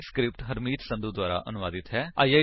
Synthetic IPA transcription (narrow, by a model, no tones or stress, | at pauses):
skɾɪp̚ʈɦəɾmiːt̪sə̃nd̪uːd̪waːɾa̰ːʔənʊʋaːd̪ɪt̪ɦɛːaːiːaː